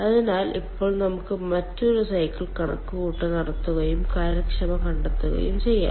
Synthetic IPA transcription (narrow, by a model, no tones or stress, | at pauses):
ɐðinaːlipːo̞ːɭnɐmukːɨmɐtːoɾusɐjkːiɭkɐɳɐ̰kːuɣuːʈːɨnɐɽɐt̪ːuɣɐjumkaːɾɐkʂɐmɐkɐɳɖɐt̪ːuɣɐ̰jṵmt͡ɕe̞jːa̰ː